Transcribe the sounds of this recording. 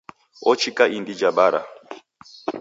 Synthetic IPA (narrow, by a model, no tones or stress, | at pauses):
ɔt͡ʃʰikʼaʔindid͡ʒaɓaɾa̰